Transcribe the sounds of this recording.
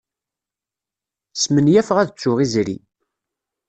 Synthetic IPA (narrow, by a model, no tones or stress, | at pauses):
smənjæfʁæðət͡sːʊʁizɾḭ